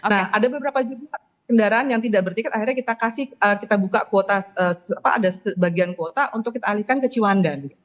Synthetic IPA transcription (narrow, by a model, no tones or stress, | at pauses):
nahadabəbəɾapad͡ʒuba | kəndaɾaanjaŋt̪idaʔ̚bərt̪ikat̪axirɲakit̪akasɪhəkit̪abukakot̪aəːapa̰a̰dasəbaɡiankot̪aʔunt̪ʊkːit̪aːlihkankət͡ʃiwandadit̪u